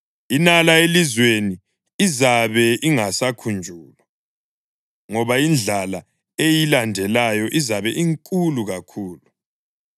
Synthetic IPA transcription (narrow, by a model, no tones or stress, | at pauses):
inalaelizweni | izaβɛʔiŋasakʰund͡ʒʱuːlɔ | ŋɔβaind͡ɮʱala | ejilandʱɛlajɔʔizaβɛʔiŋkʼuluɣakʰuːlu